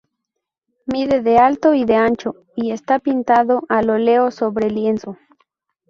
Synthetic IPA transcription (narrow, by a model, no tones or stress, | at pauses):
miðeðealt̪oiðe̞ant͡ʃo | iest̪apint̪aðoʔaloleosoβɾe̞lje̞nso